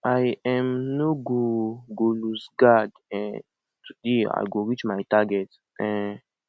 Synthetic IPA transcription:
ʔajɛ̃mnoɡoɡolusɡad | ɛ̃ | tudea̰jɡoɹit͡ʃmajtaɡɛt | ʔɛ̃n

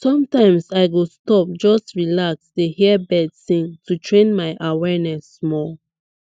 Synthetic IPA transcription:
sɔ̃mtãɪ̃msajɡostɔp̚d͡ʒɔstɹilaksdehibɛdθĩŋtutʰɹẽnmaɪʔawɛnɛsmɔl

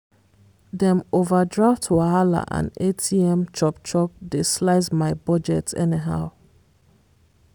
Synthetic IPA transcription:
dɛ̃movadɹaftʰuaala̰ʔã̰netʰiɛ̃mt͡ʃɔp̚t͡ʃɔp̚deslaɪzmaɪbɔd͡ʒɛtɛ̰niɦa̰ʊ

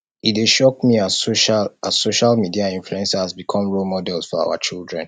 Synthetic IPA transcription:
ideʃɔk̚miaoʃalasoʃalmidiaĩnfluɛ̃nsahazbikʰɔ̃mɹolmɔdɛlˠsfɔɹa̰ʊwa̰t͡ʃilˠdɹɛ̰̃n

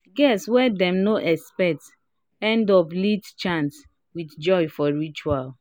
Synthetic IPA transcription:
ɡɛswɛdɛ̃mnoʔɛspɛt | ɛ̃ndɔplitt͡ʃãns | widd͡ʒɔjfɔɹit͡ʃual

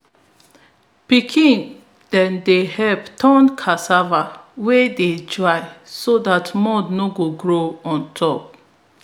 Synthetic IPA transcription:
pikʰĩn | d̥ɛ̃ndehɛvtʰɔ̃nkʰasavaweded͡ʒaɪsodatmɔdnoɡoɡɹoɔ̃ntʰɔp̚

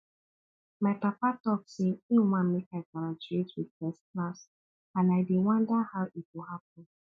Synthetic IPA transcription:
maɪpapatɔkseinumãmekaɪkaɾad͡ʒuetwiðfɛsklas | ãnaɪdewãndahawʔitwʊɦap̚ɔn

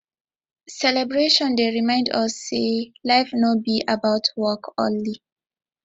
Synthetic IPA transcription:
sɛlɛbɹeʃɔ̃ndeɹimãɪ̃ndɔsːelaɪfnobiʔabaʊtʰwɔkʰɔ̰̃nli

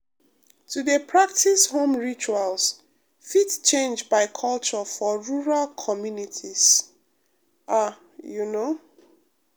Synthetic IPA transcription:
tʰudepʰɹak̚tʰishõmɹit͡ʃuals | fitt͡ʃẽnd͡ʒbaɪkʰɔlt͡ʃɔfɔɹuɹalkʰɔmjunitʰis | a | juno

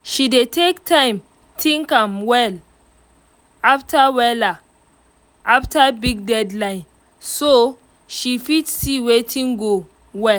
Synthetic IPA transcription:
ʃidetʰektʰãɪ̃m | tʰĩŋkãmwɛl | aftʰawɛla | aftabiɡ̚dɛdlãɪ̃n | so | ʃifitsiwetʰĩŋɡo | wɛ

